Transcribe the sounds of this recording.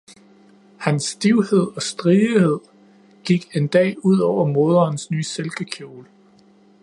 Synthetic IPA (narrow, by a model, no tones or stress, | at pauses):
hænsːd̥iʊhe̝ð̞̰ˠɒ̽sd̥ʁihe̝ð̞̰ˠ | ɡ̥iɡ̥e̝nd̥ɛ̰ːuð̰ˠɒʊ̰ɐmo̝ð̞ˠɐːnsnyːselɡ̥əkʰjo̝ːl